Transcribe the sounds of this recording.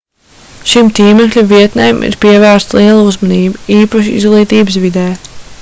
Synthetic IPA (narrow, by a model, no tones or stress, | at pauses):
ʃimt̪iːmɛklʲaviɛt̪nɛjmʔḭɾpiɛvæːɾst̪lˠiɛlˠuzmɔniːbiiːpaʃiḭzɡlˠiːt̪iːbəsvid̪ɛː